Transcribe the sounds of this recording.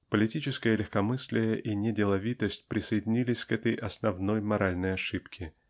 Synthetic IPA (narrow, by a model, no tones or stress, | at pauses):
pəlʲɪtʲit͡ɕɪskəjəlʲɪxkɐmɨsʲlʲɪjəʔinʲɪdʲɪlˠɐvʲit̪əsʲtʲpɾʲɪsəjɪdʲɪnʲilʲɪsʲkɛt̪əjʔɐsnɐvnojmɐɾalʲnəjɐʂɨpkʲɪ